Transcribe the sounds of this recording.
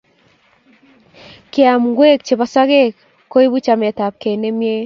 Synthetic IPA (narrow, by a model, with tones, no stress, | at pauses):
ke˦a˨mŋɡwe˦k̚t͡ʃe˨βa˨sa˦ɣe˦k | kːo˦i˦βu˦t͡ʃa˨me˨ta˨p̚ke˨ne˦mje˦